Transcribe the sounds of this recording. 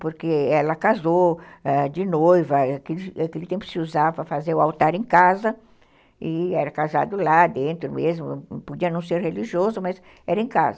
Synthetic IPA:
poɾkeɛlɐkazoɛd͡ʒɪnojvɐkelakelɪt̪ẽmpʊ̥sɪuzavɐfazeɾʊawt̪aɾẽkazɐ | ɪɛɾɐkaza̰d̪ʊlad̪ẽnt̪ɾʊmezmʊpod͡ʒiɐnɐ̃w̃seɾheliʒiozʊmaz | ɛɾɐẽka̰zɐ

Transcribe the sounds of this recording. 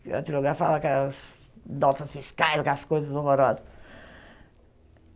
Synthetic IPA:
ɐ̰̃t̪ilˠuɣaɾfa̰lˠɐkɛs | nɔt̪ɐsfiʃkajlˠɣaskojzɐzoʁoɾɔzɐ

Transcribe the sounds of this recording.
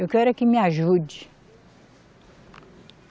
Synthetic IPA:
ewkɛɾɐkɪmiaʒud͡ʒi

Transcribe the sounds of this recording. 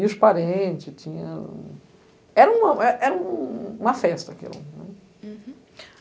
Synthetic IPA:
iʊʃpaɾẽt͡ʃɪt͡ʃĩɲɐ | ɛɾɐũmɐɛʔɛɾɐũũmɐfɛst̪ɐkḭlõ̰nɛ̃

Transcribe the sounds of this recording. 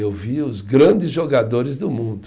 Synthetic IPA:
ewviʊzɡɾɐ̃d͡ʒɪzʒoɡad̪oɾɪzd̪ʊmũnd̪ʊ

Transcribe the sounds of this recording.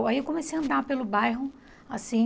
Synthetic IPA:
waiewkõmesejaɐ̃nd̪apelʊbajɦʊ | asĩ

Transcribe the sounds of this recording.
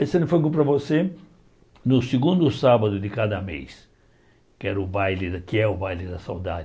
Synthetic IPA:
ɛsenfojkũpɾɐvose | nʊsɪɡũnd̪ʊsabɐd̪ʊd̪ɪkad̪ɐmḛs | kɪɛɾʊbajlɪd̪kɪɛʊbajlɪd̪ɐsa̰wd̪a̰d

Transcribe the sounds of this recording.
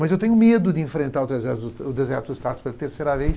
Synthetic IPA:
mɐzewt̪ẽɲʊmed̪ʊd̪ɪẽfɾẽnt̪aɾʊt̪ɾezvɛzɪzʊʊd̪ezɛɾt̪ʊdɪst̪at̪ʊ̥spelɐt̪eɾsejɾɐvejs

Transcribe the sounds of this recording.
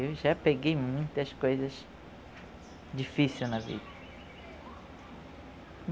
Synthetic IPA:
ewʒapeɡejmũj̃t̪ɐskojzɐz | d͡ʒifisiwnɐvḭd̪ɐ | m

